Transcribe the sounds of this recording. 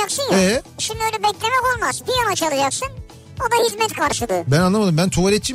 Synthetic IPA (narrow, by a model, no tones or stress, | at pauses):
aksɯnjɛʃimd̪iølʲɛbɛclʲemɛko̞lˠmazbijanat͡ʃʰalˠɯd͡ʒaksɯn | o̞d̪ajizmɛt̪kʰaɾʃɯd̪ˠɯbænanːˠamad̪ɯmbænt̪ʰovaɾɛt̪̚t͡ʃim